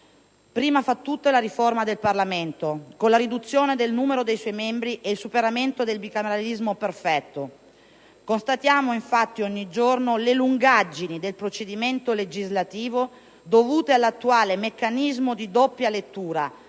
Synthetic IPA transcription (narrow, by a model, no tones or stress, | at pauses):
pɾiːmafat̪ːut̪ːelaɾiformad̪elparlament̪okonlaɾid̪ut̪sːjoːned̪elnuːmeɾod̪ejswɔjmembɾiʔeilsupeɾament̪od̪elbikameɾalizmoperfɛt̪ːo | konst̪at̪jaːmoiɱfat̪ːioɲːid͡ʒornoleluŋɡad͡ʒːinid̪elpɾot͡ʃed̪iment̪oled͡ʒizlat̪iːvo | d̪ovuːt̪ealːat̪ːuaːlemekːanizmod̪id̪opːjalet̪ːuːɾa